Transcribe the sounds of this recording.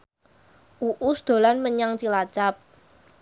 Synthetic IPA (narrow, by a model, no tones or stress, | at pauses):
ʔuʔusd̪̥o̤lanməɲaŋt͡ʃilat͡ʃap̚